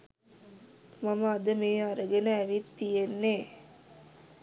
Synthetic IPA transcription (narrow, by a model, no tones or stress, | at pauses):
mɐmaːd̪ɐmeːɐɾɐɡɐnɐːʋit̪ːijenːe